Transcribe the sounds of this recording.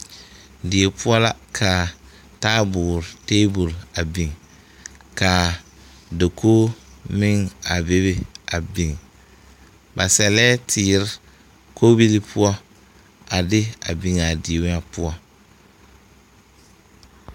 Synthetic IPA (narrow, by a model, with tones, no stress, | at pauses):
dɪ˨e˨pʊ˦ɔ˦la˦kʰa˨ | taː˦bʊː˨ɾɪ˨teː˦bu˨la˨bi˨ŋ | ka˨ | de˨kʰoː˦mɪ˦ŋa˨be˦be˨a˨bi˨ŋ | ba˨sɛ˨lɛː˦tʰɪː˨ɾɪ˦ | kʰo˦bi˦li˦pʰʊ˦ɔ˦ | a˨dɪ˦a̰˨bi˨ŋa˨de˨wa˦pʊ˦ɔ˦